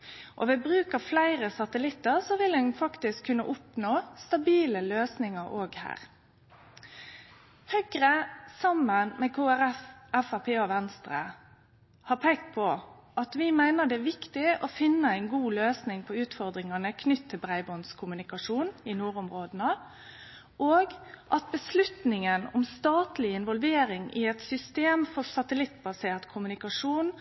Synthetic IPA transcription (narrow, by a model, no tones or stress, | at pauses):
ʔɔʋɛbʁʉːkəflæɪʁəsɑt̪əlɪt̪ːəʁsɔʋɪlɛnfɑkt̪ɪskʰːʉnːə̰ʔʊpnoːst̪ɑbiːləløːsnɪŋəɾoːɡhæ̰ːʁ | hœɡɾəsɑmːənmɛkʰoːæɾɛfɛfɑpʰeːɔʋɛnst̪ʁə̰ | hɑːpʰeːkt̪̚pʰɔ | ʔɑt̪ʋɪmæɪnəd̪ɛæʋɪkt̪ɪɔfɪnːəæɪnɡuːløːsnɪŋpʰɔʉːt̪fɔɾd̪ɾɪŋɑnəkʰnʏt̪ʰːɪlbɾæɪbɔnskʰʊmʉnɪkɑʂuːnɪnuːɾʊmɾoːd̪ənə | ʔoːɡʔɑt̪̚bəslʉt̪nɪŋənʊmst̪ɑːt̪lɪɪnʋɔlʋeːɾɪŋɪɛt̪sʏst̪eːmfɔɾsɑt̪əlɪt̪ːbɑseːɾt̪kʰʊmʉnɪkɑʂuːn